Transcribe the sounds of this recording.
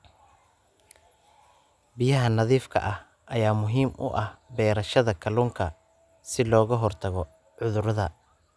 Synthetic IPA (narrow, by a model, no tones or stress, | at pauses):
bɪjɐɦɐnɐðiːfkʰɐ̰ʔɐh | ʔɐjaːmʊɦiːmʔʊ̰ʔɐhbɛːɾɐʃɐðɐkʰɐluːŋkʰɐ | sɪlɔːɣɐɦɔrt̪ʰɐɣɔ | ʕʊðʊɾɐðɐ